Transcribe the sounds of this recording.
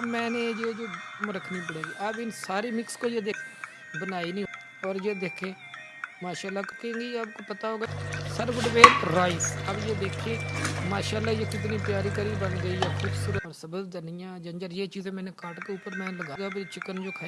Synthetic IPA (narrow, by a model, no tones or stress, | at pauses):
mɛ̃ːneːd͡ʒeːd͡ʒoːmɾəkʰniːpəɽeːɡiːʔəbɪnsaːɾiːmɪkskoːjeːd̪eːkʰe | bənaːiːnĩː | ɔːɾd͡ʒeːd̪eːkʰẽː | maːʃaːlːaːkkẽɡiːəbkoːpət̪aːɦoːɡaːsəɾʋəɖʋeːlɾaːisəbjeːd̪eːkʰeːmaːʃaːlːaːjeːkɪt̪̬niːpjaːɾiːkəɾiːbənɡəiːjaːkʰuːbsuːɾəːɾsəbəd̪d̪ənɪjãːd͡ʒənd͡ʒəɾjeːt͡ʃiːzẽːmɛ̃ːnẽːkaːʈkeʊpːəɾmɛ̃ːləɡaːɡaːbeit͡ʃɪkənd͡ʒoːkʰaː